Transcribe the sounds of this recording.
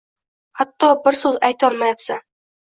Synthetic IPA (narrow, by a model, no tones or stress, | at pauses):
hat̪ːɒbɪɾsɵzajt̪ʰɒlˠmajapsa